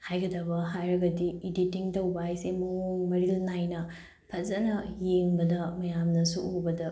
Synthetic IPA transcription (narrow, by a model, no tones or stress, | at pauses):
hajɡɐdɐbɐɦajɾɐɡɐdiiditiŋtɐwbɐɦajsemooŋmɐɾilnajnɐ | pʰɐzɐnɐjeŋbɐdɐmɐjamnɐsuʔobɐdɐ